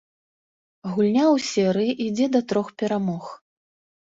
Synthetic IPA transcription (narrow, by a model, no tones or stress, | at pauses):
ɣulʲnʲawsʲɛɾɨjiʔid͡zʲɛd̪ɐt̪ɾɔxpʲɛɾamɔx